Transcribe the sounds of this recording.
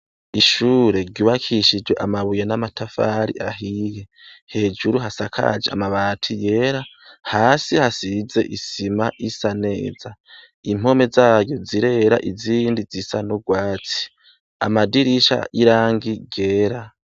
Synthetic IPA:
iʃuːɾe̞ɟuβakʰiʃid͡ʒɡweʔamaβujenamatʰafa̰ːɾḭʔa̰ɦije̞he̞ːd͡ʒuɾuɦasakʰa̰d͡ʒea̰maβaːtʰije̞ːɾahaːsihasize̞ʔisimaʔisane̞ːz̥a | im̥o̞me̞zaːjoziɾe̞ɾa̰ʔiziːndizisanoɡwaːt͡si̥ | a̰madiɾiʃa̰ʔiɾaːŋɡiɡ̥eːɾa

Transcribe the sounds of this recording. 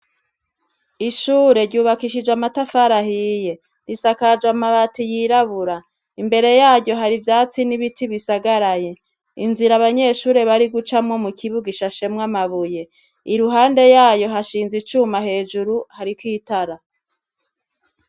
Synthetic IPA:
iʃuːɾe̞ɾɟuːβakiʃid͡ʒwamatafaɾahije̞ | ɾisakad͡ʒwamaβatijiɾaβuɾa | imbe̞ɾe̞jaːɟɟo̞ɦaɾivjaːt͡siniβitʰiβisaɡaɾaje̞ | inziɾaβaɲe̞ʃuːɾe̞βaɾiɡut͡ʃamŋo̞mukʰiβuɡiʃaʃe̞mŋamaβuje̞ | iɾuɦaːnde̞jaːjo̞ɦaʃiːnzit͡ʃuːmaɦe̞ːd͡ʒuɾuhaɾikwiːtaɾa

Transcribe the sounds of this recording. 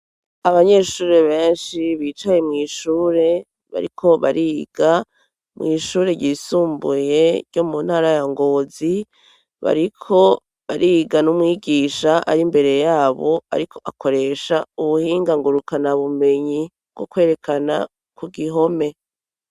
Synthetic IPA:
aβaɲe̞ʃuːɾeβe̞ːnʃiβiːt͡ʃaje̞mŋiːʃuːɾe̞ | βa̰ɾḭkʰo̞βa̰ɾiɡ̥a | mŋiːʃuːɾe̞ɟiːsuːmbuje̞ɾɟomun̥haːɾajaŋɡo̞ːzi | βa̰ɾikʰo̞ | βaɾʔiɡanumwiːɡiːʃaʔa̰ɾimbe̞ɾe̞jaːβo̞a̰ɾikʰo̞ʔakʰo̞ɾe̞ʃauβuhiːŋɡaŋɡuɾukanaβume̞ɲi | bɡ̥okwe̞ːɾe̞kʰana | kuɡiɦo̞me̞

